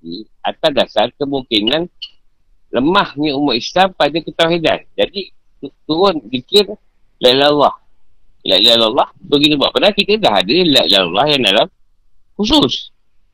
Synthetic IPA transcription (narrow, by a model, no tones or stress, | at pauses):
i | a̰t̪adasarkəmuŋkinan | ləmahɲəumaʔislampadakət̪awhida̰nd͡ʒadi | ut̪uɾʊnbikɪr | lailalːɑh | la̰lalalːɑhbəɡinubapanakit̪ədaɦadəlaḭlalːɑhjaŋdalam | hus̬us